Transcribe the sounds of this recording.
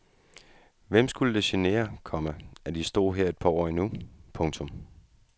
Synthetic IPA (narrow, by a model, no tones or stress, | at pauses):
ʋem̰sɡ̥uləd̥e̝ɕene̝̰ːɐkʰɒ̽məæd̥isd̥o̝̰ːɦɛɐe̝d̥̚pʰɑ̈ɒ̰ːinupʰɔ̽ŋt͡sʰɔ̽m